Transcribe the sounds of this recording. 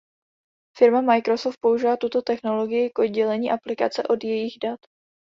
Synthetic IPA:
fɪɾmamajkɾo̞soft̪̚po̞uʒɪvaːt̪ut̪o̞t̪ɛxno̞lo̞ɡɪjɪkʔo̞d̪̚ɟɛlɛɲiːʔaplɪka̰t͡sɛʔo̞djɛjɪɣdat̪

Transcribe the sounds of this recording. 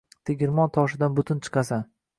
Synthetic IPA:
t̪ʰeɡʲɪɾmɒnt̪ʰɒʃɪd̪anbʊt̪ʰʊnt͡ʃʰɨ̥qʰɑsan

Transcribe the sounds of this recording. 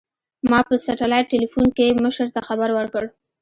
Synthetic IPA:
mɑpəsaʈalajʈelifunkeməʃəɾt̪axabaɾwəɾkəɽ

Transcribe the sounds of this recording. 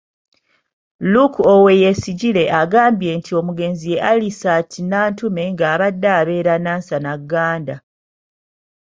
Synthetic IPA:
lukowe̞jesiɟile̞ʔaɡaːmbje̞ːntʰio̞muɡe̞ːnzije̞ʔalisatʰinaːntume̞ŋɡaːβadːaːβe̞ːɾanaːnsanaɡːaːnda

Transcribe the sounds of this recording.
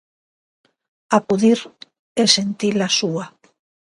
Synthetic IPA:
akuðiɾ | esent̪ilasua

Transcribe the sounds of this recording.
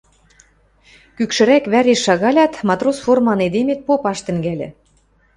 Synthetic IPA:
kykʃɘ̆ɾækβæɾeʃːɑɣɑlʲɑt̪mɑt̪rosformɑned̪emet̪̚popɑʃt̪ɘ̆ŋɡælʲɘ̰̆

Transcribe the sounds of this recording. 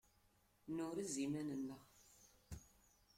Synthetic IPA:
nʊɾizimænənːəʁ

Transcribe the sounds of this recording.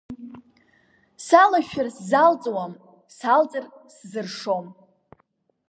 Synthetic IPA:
salaʃᶣɪrszalt͡sʼwam | salt͡sʼɨr | szɨrʂo̞m

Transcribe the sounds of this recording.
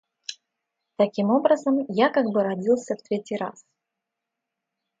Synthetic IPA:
t̪ɐkʲimo̞bɾəzəmjakaɡbɨɾɐdʲilˠsʲəft̪ɾʲetʲɪjɾa̰s

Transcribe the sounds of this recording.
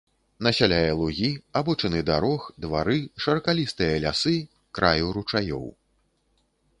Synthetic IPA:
nɐsʲalʲajɛlˠuɣʲiabɔt͡ʂɐnɨd̪aɾɔxd̪vaɾɨʂɐɾɐkalʲist̪ɨjɐlʲasɨ | kɾʔajuɾut͡ʂajɔ̰w

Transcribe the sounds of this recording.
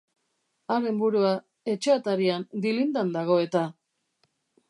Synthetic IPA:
aɾe̞mbuɾua | e̞t͡ʃeat̪aɾiand̪ilind̪and̪aɣ̞o̞e̞t̪a

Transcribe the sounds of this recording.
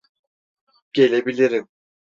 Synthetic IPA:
ɟ̥e̞lʲebilʲiɾim

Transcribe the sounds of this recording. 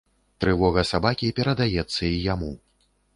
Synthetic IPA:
t̪ɾɨvɔɣɐsabakʲipʲɛɾɐd̪ajɛt̪sːɐijamu

